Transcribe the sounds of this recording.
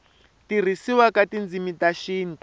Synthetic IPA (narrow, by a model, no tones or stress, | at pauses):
tir̤isiwakatind͡zimitaʃiːn